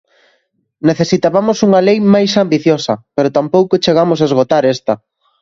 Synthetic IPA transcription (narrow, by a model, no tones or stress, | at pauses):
neθesit̪aβamosuŋɐlejmajsambiθjosɐpeɾot̪ampowkot͡ʃeɣamosaezɣot̪aɾest̪ɐ